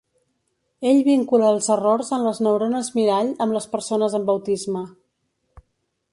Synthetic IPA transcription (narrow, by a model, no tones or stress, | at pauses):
eʎβiŋkuləːlˠzərorzəmləznəwɾonəzmiɾaʎəmləspəɾsonəzəmbəwt̪izmə